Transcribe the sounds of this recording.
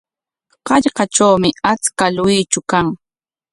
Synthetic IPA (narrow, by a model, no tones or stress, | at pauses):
qɑʎqɑʈ͡ʂawmɪat͡skalʊjɪjt͡ʃʊkaŋ